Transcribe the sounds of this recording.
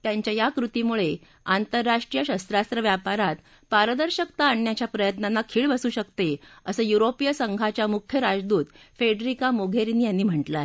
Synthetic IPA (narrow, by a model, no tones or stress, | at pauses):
t̪jaɲt͡ɕjajakɾut̪imuɭe | ant̪əɾːaʂʈɾijəɕəst̪ɾast̪ɾəʋjapaɾat̪ | paɾəd̪əɾɕəkt̪aːɳːjat͡ɕjapɾəjət̪nanːakʰiːɭbəsuːɕəkt̪eəsəːjuɾopijəsəŋɡʱat͡ɕjamukʰjəɾad͡zd̪uːt̪ | feɖɾikamoɡʱeɾinːijanːiːm̤əɳʈla